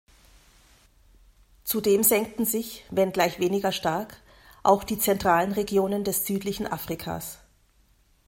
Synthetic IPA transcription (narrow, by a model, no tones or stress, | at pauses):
t͡sudeːmzɛŋk̚tn̩zɪçvɛnɡlaɪçv̥eːnɪɡɐʃtaɐk | ʔaʊxd̥iːt͡sɛntʁ̥aːlənʁeɡjoːnəndɛsz̥yːtlɪçn̩ʔafʁ̥ikʰa̰ːs